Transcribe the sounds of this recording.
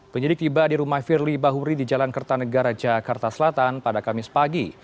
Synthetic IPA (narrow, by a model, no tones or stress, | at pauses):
pəɲədɪk̚t̪ibadiɾumahfirlibaɦuɾidid͡ʒalankərt̪anəɡaɾad͡ʒakart̪asəlat̪anpadakamɪspaɡi